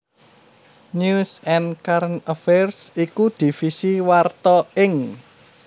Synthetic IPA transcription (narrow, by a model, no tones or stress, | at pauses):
ɲusɛnkaɾnəfɛrsikud̪̥i̤fisiwart̪ɔɪŋ